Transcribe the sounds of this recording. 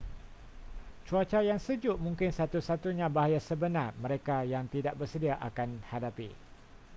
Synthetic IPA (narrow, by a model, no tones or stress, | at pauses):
t͡ʃuat͡ʃajaŋsəd͡ʒʊʔmũŋkɪnsat̪usat̪uɲãbaɦajasəbənarmə̃ɾekajaŋt̪idaʔ̚bərsədiaʔakanhadapḭ